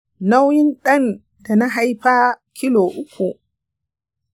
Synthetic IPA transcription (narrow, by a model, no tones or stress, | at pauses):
nawjinɗan | danaɦajpakʰilɔʔukʰːɔ